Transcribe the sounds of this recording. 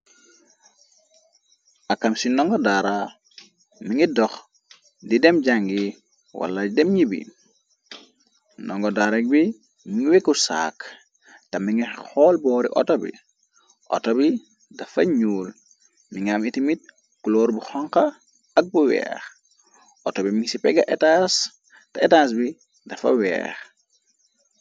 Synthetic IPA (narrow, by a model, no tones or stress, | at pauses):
ʔakːamsinɔŋɡɔdaɾa | miŋidɔx | didɛmɟaŋɡi | wa̰lːadidɛmɲibḭ | nɔŋɡɔdaɾɐk̚bi | miŋiwekːusa̰k | tɐmːiŋixɔːlbɔːɾḭʔɔ̰tobḭ | ʔɔ̰tobi | dɐfɐɲuːl | miŋamitimit̚ | kuloːɾbuxɔŋkɐ | ɐk̚buwɛ̰ːx | ʔɔtobimiŋsipɛɡɐʔetas | tɐetaːs̬bi | dɐfɐ̰wɛ̰ːx